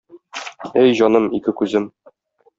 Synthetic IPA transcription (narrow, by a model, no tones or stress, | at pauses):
æjʑɒnɤmikɘkʉzɘm